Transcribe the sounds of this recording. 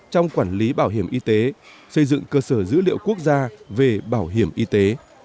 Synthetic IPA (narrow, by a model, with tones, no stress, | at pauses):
t͡ɕɔ˧wŋ͡mkwaː˧˩nli˨˦ɓaː˧˩wɦi˧˩əmʔi˧t̪e˨˦ | sə˧jzɨ̰˧˨ŋkəː˧səː˧˩zɨ̰˧˥lḭ˧˨əwku˦˥ək̚zaː˧ve˨˩ɓaː˧˩wɦi˧˩əmʔi˧t̪e˨˦